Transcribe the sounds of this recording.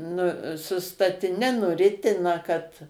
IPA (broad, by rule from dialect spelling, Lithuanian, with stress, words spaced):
nʊ sʊ stɐtʲɪˈnʲɛ nʊˈrʲɪtʲɪnɐ kɐt